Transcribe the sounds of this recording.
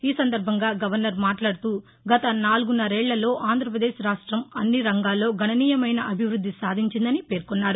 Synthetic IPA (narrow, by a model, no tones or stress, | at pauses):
iːsɐnd̪ɐɾbʱɐŋɡaːɡɐʋɐɾnɐɾmaːʈlaːɽut̪uː | ɡɐt̪ɐnaːluɡunːɐɾɛːɭːɐlo̞ːʔaːnd̪ʱɾɐpɾɐd̪eːʃɾaːʂʈɾɐmɐnːiɾɐŋɡaːlːo̞ːɡʱɐnɐniːjɐmɐjnɐʔɐbʱiʋɾud̪ʱːisaːd̪ʱiɲt͡ʃind̪ɐnipe̞ːɾkɔnːaːɾu